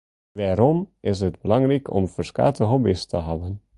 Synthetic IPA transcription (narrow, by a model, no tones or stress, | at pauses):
ʋaːɾɔmʔɪsɦədbəlɑŋrɛkʰɔ̰mfəɹska̰ːtəɦɔbistʰəɦɑvən